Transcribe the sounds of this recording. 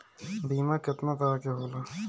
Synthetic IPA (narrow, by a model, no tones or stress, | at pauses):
biːmãkɪt̪nat̪əɾakeɦoːla